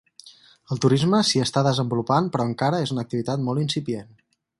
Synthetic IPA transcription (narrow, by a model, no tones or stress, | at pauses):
əlˠt̪uɾizməsiəst̪aðəzəmbulupanpɾɔəŋkaɾəezunək̚t̪iβit̪at̪mɔlˠinsipien